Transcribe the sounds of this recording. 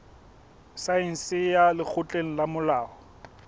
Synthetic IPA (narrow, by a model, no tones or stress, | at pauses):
sain̩sɪjalɪk͡xʰʊt͡ɬʼeŋ̩lamʊlaːɔ